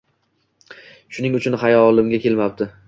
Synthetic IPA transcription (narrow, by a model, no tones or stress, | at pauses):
ʃʊnɪŋʊt͡ʃʰʊnχajɒlˠɪmɡʲakʲʰe̞lmap̚d̪ɪ